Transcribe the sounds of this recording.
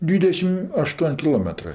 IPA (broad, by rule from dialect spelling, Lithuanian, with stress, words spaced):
ˈdʲʋʲiːdʲɛʃʲɪm ɐˈʃtuɔnʲ kʲɪˈlˠoːmʲɛtrɜ